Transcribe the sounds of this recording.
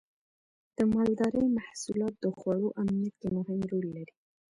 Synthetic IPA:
d̪̥əmɑld̪ɑɾəjmahsulɑt̪̚d̪əxwɑɽoʔamnijat̪kemʊhɪmɾolːaɾi

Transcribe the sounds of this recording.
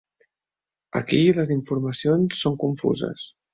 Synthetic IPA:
ə̰kiləziɱfuɾməsionsːoŋkuɱfṵzə̰s

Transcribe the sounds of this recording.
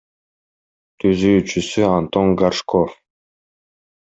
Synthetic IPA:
t̪yzyt͡ʃysyant̪oŋɡarʃkʰɔf

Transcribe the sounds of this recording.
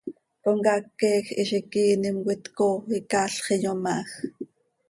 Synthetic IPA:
koŋkɑkːeːxiʃikiːnimwit̪koikaɬχijomax

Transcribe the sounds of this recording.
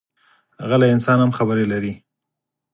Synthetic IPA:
haɣalaɪnsɑnhamxabəɾelaɾi

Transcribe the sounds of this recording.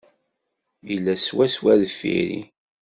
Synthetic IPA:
jəlːæswæswæðfḭɾḭ

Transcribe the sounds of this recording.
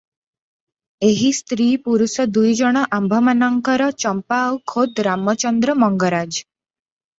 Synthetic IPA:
eɦist̪ɾiːpuɾusɔd̪ujd͡ʒɔɽ̃ɔʔambʱɔmanɔŋkɔɾɔt͡ʃɔmpaːwkʰod̪ɾamɔt͡ʃɔnd̪ɾɔmɔŋɡɔɾad͡ʒ

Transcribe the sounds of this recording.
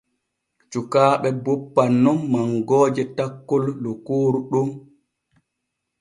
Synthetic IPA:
t͡ʃukaːɓɛbɔpːanːɔmːaŋɡɔːd͡ʒɛtakːɔlːɔkoːɾuɗum

